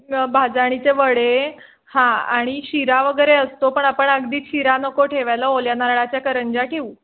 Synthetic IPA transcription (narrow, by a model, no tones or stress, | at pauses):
bʱad͡zaɽ̃it͡seʋəɽe | hãa̰ɽ̃iɕiɾaʋəɡəjɾeəst̪opəɳapəɳəɡd̪iːt͡sɕiɾanəkoʈʰeʋajləoljanaɾɭat͡ɕjakəɾəɲd͡ʑakiu